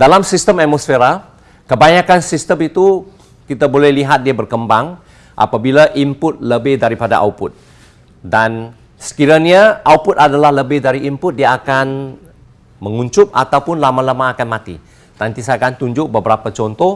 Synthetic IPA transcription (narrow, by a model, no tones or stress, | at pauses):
dalamsist̪əmat̪̚mɔsfeɾa | kəbaɲakansist̪əmit̪u | kit̪abolɛhliɦat̪̚diabərkəmbaŋ | ʔa̰pabilaʔimpʊt̪̚ləbɪhdaɾipada̰ʔa̰wpʊt̪̚ | dan | sə̥kiɾanaʔaupʊt̪adalahləbɪhdaɾiʔimpʊt̪̚diaakan | məŋuɲt͡ʃʊp̚a̰t̪awpʊnlamalamaːkanmãt̪ḭ | nant̪isaakant̪uɲd͡ʒʊʔ̚bəbəɾapat͡ʃɔnt̪ɔh